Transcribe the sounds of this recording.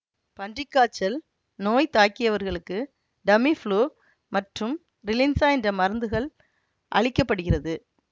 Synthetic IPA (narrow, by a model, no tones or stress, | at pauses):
pɐɳɖrɪkːaːt͡ʃːɐl | noːjt̪aːkːɪjɐʋɐɾɣɐɭɯkːɯ | ɖɐmifɭoː | mɐʈrɯm | ɾɪlɪnsaːɛndrɐmɐɾɯnd̪ɯɣɐɭ | ʔɐ̰ɻɪkːɐpːɐɽɯɣɪrɐðɯ